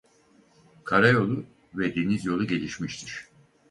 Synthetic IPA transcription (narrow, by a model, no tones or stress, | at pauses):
kʰaɾajo̞lˠu | vɛd̪e̞nizjo̞lˠuɟe̞lʲiʃmiʃt̪ʰiɾ̥